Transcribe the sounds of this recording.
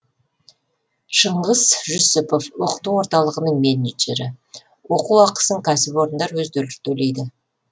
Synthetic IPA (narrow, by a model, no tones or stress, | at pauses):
ʃəɴʁəzʒʊsɪpo̞fwoqə̥t̪ːəwo̞ɾt̪ɑlˠəʁənəɴme̞ned͡ʒeɾɪ | wo̞quwɑqə̥səɴkʲʰæsɪpwo̞ɾənd̪ɑɾwɵzd̪elt̪ʰɵle̞jd̪ɪ